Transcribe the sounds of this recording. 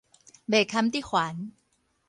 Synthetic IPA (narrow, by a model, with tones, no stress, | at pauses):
beː˨˩kʰːa˦˥mt̪iː˥˩kʰwaː˩˦n